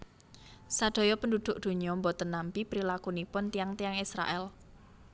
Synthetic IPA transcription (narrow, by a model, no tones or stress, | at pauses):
sad̪̥ɔ̤jɔpəndud̪̥ʊ̤ʔd̪̥ṳɲɔmbɔt̪ənampipɾilakunipʊnt̪ijaŋt̪ijaŋisɾa̰ʔɛl